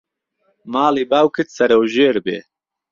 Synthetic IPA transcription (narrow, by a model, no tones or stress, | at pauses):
maːliːbaːwkʰɨt̪sɐɾɐwʒeːɾbḛː